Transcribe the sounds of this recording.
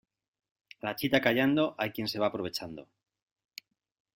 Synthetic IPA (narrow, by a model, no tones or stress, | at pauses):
lat͡ʃit̪akaʎand̪o̞ʔajkje̞nse̞β̞aːpɾoe̞t͡ʃand̪o̰